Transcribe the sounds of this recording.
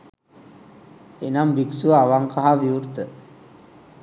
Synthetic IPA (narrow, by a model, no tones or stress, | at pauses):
enambiksuʋaʋaŋkaɦaʋiurt̪ə